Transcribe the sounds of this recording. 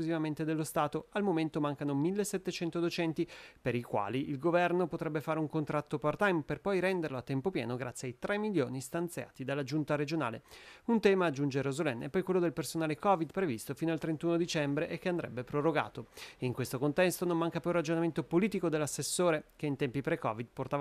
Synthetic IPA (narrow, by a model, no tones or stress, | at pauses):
kuzivament̪ed̪elːost̪aːt̪oalmoment̪omaŋkanomilːeset̪ːet͡ʃɛnt̪od̪ot͡ʃɛnt̪ipeɾikwa̰ːliʔilɡovɛrnopot̪ɾɛbːefaːɾeuŋkont̪ɾat̪ːopart̪ajmperpɔjɾɛnd̪eɾloat̪ːɛmpopjɛ̰ːnoɡɾat̪sːjeajt̪ɾɛmːiljo̰ːnist̪ant̪sja̰ːt̪id̪alːad͡ʒunt̪aɾed͡ʒona̰ːleunt̪ɛːmaːd͡ʒːund͡ʒeɾozolɛnːɛpːɔjkwelːod̪elpersonaːlekɔvid̪pɾevist̪ofiːnoalt̪ɾent̪uːnod̪it͡ʃɛmbɾeʔek̟ːeand̪ɾɛ̰bːepɾoroɡa̰ːt̪oeiŋkwest̪okont̪ɛst̪onommaŋkapurad͡ʒonament̪opoliːt̪ikod̪elːasːesːoːɾekeint̪ɛmpipɾekɔ̰vid̪̚port̪ava